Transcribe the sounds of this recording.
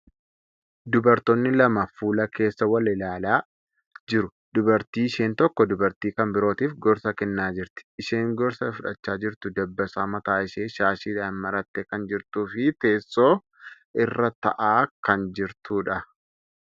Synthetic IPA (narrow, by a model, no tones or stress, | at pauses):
d̪ʊbɐɾt̪ɔnːɪlɐmɐfuːlɐke̞ːsːɐwɐlɪlaːlaː | d͡ʒɪɾʊ | d̪ʊbɐɾt̪iːɪʃe̞ːnt̪ɔkːɔd̪ʊbɐɾt̪iːkɐmbɪɾo̞ːt̪iːfɡɔɾsɐkɛnːaːd͡ʒɪɾt̪ɪ̥ʃe̞ːŋɡɔɾsɐfʊᶑɐt͡ʃːaːd͡ʒɪɾt̪ʊd̪ɐbːɐsaːmɐt̪aːɪʃeːʃaːʃɪᶑaːnmɐɾɐt̪ːeːkɐnd͡ʒɪɾt̪uːfɪt̪e̞ːsːoː | ɪrːɐt̪ɐ̰ʔaːkɐnd͡ʒɪɾt̪uːᶑɐ